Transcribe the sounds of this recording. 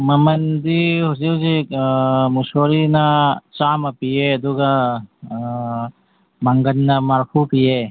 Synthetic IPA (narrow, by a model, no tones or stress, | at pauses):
mɐmɐnd̪iɦuziwd͡ʒi | musoːɾinat͡ʃaːmɐpijeɐd̪uɡɐ | mɐŋɡɐnnɐmɐɾpʰupije